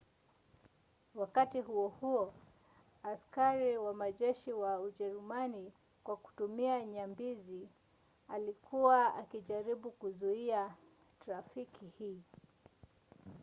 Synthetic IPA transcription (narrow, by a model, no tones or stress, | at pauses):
wakatiɦuɔhuɔ | askaɾiwamaʄɛʃiwauʄɛɾumani | kwaku̥tumiaɲambizi | alikʰuwaa̰kiʄaɾiɓukuzuia | taɾafikʰihiː